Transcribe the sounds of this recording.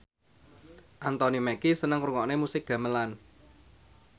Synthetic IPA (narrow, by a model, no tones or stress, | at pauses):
ʔant̪ɔnimɛkisənəŋruŋɔʔnemusɪk̚ɡ̥ä̤məlan